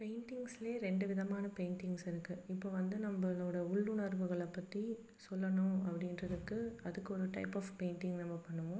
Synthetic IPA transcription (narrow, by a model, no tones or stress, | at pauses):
peɪnʈɪŋɡsleːɾɛɳɖɯʋɪðɐmaːnɐpeɪɳʈɪŋɡsɪɾɯkːɯɪpːoːʋɐnd̪ɯnɐmbɐloːɽɐʊɭːɯnɐɾʋɯɣɐɭɐpːɐt̪ːi | sɔlːɐnʊ̃ɐ̰pːɐɽɪnɾɐðɯkːɯɐðɯkːɯɔɾɯʈɐ̰ɪpːɐːfpeɪnʈɪŋɡnɐmːɐpɐɳːɯʋʊ̃